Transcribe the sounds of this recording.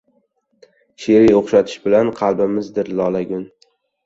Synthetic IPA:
ʃeɾijoχʃat̪ʰɪ̥ʃbɪlanqʰɑlˠbɪmɪzd̪ɪɾlɒlˠaɡʲʊn

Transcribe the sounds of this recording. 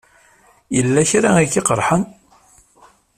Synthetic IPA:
jəlːæçɾaikːɪqəɾˤħən

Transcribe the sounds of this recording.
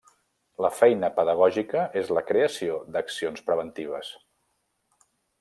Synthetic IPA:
ləfɛjnəpəðəɣ̞ɔʒikəʔezləkɾeəsiod̪əksionspɾəβ̞ənt̪iβ̞əs

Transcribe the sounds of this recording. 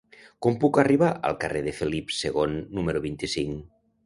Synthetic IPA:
kompukariβ̞aʔə̰lˠkareðefelipseɣ̞onːumeɾuβint̪isiŋ

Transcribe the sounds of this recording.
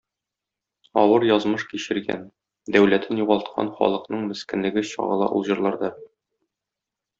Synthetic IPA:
ɒ̰wɤɾjɒzmɤʃkiɕɘ̆ɾɡæ̰n | d̪æwlæt̪ʰɘnjuʁɑlˠt̪̚qʰɑ̰nχɒ̰lˠɤ̆qnɤɴmɘ̆skɘ̆nlɘ̆ɡɘɕɒ̰ɴɤ̆lˠɑ̰ʔṵlˠʑɤ̆ɾlˠɑɾd̪ɑ

